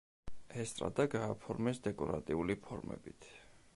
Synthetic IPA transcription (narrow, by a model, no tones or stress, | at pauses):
ɛst̪ʼɾa̰d̪aɡaːpʰɔɾmɛsd̪ɛkʼɔɾa̰t̪ʼiulipʰɔɾmɛ̰bit̪ʰ